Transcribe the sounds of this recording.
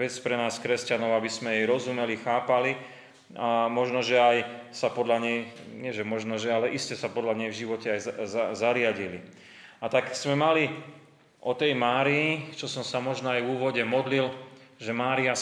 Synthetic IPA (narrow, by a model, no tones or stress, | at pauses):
ɛt͡spɾɛnaːskɾɛscanɔʊabismɛjɛjɾɔzumɛlixaːpali | amɔʒnɔʒɛajsapɔd̪laɲɛjɲɪɛʒɛmɔʒnɔʒɛalɛʔiscɛsapɔd̪laɲɛjvʒiʋɔcɛajazaɾɪaɟili | at̪aksmɛmali | ʔɔt̪ɛjmaːɾiːt͡ʃɔsɔmsamɔʒnɔajvuːʋɔɟɛmɔd̪lilʒɛmaːɾia